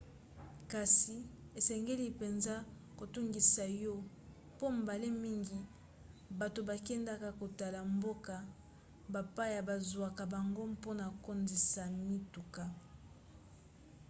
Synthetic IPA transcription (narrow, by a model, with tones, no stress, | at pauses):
ka˨si˨ | e˨sɛ˨ŋɡe˦li˦pe˨nza˦ | ko˨tu˦ŋɡi˨sa˨jo˦ | po˦m˨ba˨le˦mi˦ŋɡi˨ | ba˨to˨ba˨kɛ˦nda˦ka˨ko˨ta˨la˨mbo˦ka˨ | ba˨pa˦ja˨ba˨zwa˨ka˨ba˨ŋɡo˦mpo˦na˨ko˦ndi˨sa˨mi˦tu˨ka˦